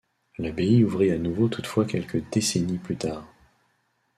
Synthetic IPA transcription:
labeiuvʁianuvot̪ʰu̥t̪fwakʲɛlkəd̪eseniplyt̪aːʁ

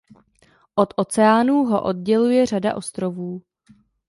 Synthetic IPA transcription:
ʔo̞t̪ʔo̞t͡sɛaːnuːɦo̞̰ʔo̞d̚ɟɛlujɛr̝ada̰ʔo̞st̪ɾo̞vuː

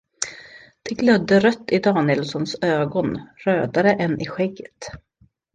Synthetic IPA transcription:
d̪̥ɛɡlœd̪ːəɾœt̪ːɪd̪ɑːnɪəlsɔnsøːɡɔnɾøːd̪aɾəʔɛnʔɪɧɛɡːət̪

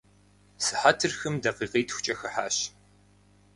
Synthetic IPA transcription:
sɨħatʰɨrxɨmdɐqiːqiːtʰxʷʊ̥t͡ʃʼɐxɐħaːɕ

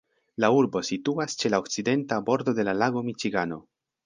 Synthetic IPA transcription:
lauɾbo̞situast͡ʃe̞laokt͡side̞ntabo̞ɾdo̞de̞lalaɡo̞mit͡ʃiɡano̞

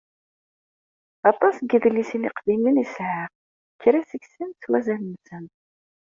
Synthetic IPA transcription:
ɑt̪ˤɑsɡiðəlːisiniqd̪imənisʕəʁ | çəɾæsəçsənt͡swæzænəmsən

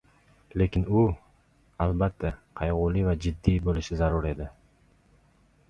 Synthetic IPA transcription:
le̞kʲɪnʊ | albat̪ʰːaqʰɑjʁʊlivad͡ʒɪd̪ːijbolɪʃɪzaɾʊɾe̞d̪ɪ

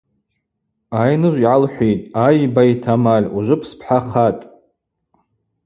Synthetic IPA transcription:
ajnɨʒʷiʕalħʷejtʼajbajtʰamalʲuʒʷɨpʰspʰħaχatʼ

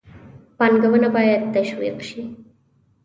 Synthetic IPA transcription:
pɑnɡawənabɑjad̪̚t̪aʃwḭqʃi

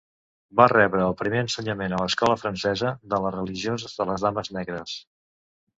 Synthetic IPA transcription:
barɛβɾəːlˠpɾimeənsəɲəmenələskɔləfɾənsɛzəðələrəliʒiozəzðələzðaməznɛɣɾəs

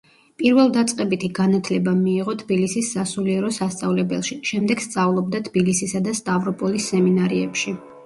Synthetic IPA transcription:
pʼiɾvɛlˠd̪at̪sʼqʼɛbit̪ʰiɡanat̪ʰlɛbamiːʁɔt̪ʰbilisisːasuliɛɾɔsast̪sʼavlɛbɛ̰lˠʃiʃɛmd̪ɛɡ̥st̪sʼavlˠɔb̚d̪at̪ʰb̥ilisisad̪ast̪ʼavɾɔpʼɔlisːɛminaɾiɛpʃi

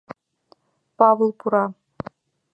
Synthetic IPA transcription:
pɑvɤ̆lˠpuɾɑ

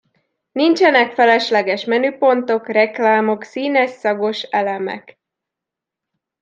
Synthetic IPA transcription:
nint͡ʃɛnɛkfɛlɛʃlɛɡɛʃmɛnypo̞nt̪o̞krɛklaːmo̞ksiːnɛsːɒɡo̞ʃɛlɛmɛ̰k

